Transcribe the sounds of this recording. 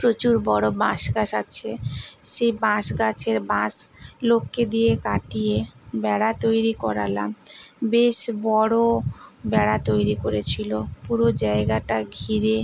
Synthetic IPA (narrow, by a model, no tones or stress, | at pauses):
pɾot͡ɕuɾbɔɽobãʃɡaʃat͡ɕʰeʃebãʃɡat͡ɕʰeɾbãslokːed̪ijekaʈijebɛɽat̪ojɾikɔɾala̰mbeʃbɔɽobɛɽat̪ojɾikoɾet͡ɕʰilopuɾod͡ʑaeɡaʈaɡʱiɾe